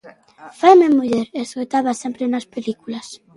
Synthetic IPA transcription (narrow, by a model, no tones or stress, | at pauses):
fajmemuʎɛɾeskojt̪aβasempɾenaspelikulas